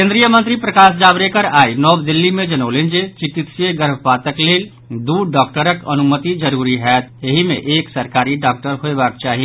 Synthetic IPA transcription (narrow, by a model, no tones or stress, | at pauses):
kẽnd̪ɾijəmə̃nt̪ɾipɾəkaːsd͡ʒaːbɾekəɾaːinɔːbd̪ɪlːimẽd͡ʒɐnoːlẽnd͡ʒet͡ʃɪkit̪sjeɡəɾbʱəpaːt̪əkleːl | d̪uːɖɔːkʈəɾəkɐ̰nʊmət̪id͡ʒəɾuːɾiɦɛːt̪jəɦimḛ̃ʔeːksəɾkaːɾiɖaːk̚ʈəɾɦoebaːk̚t͡ʃaːɦi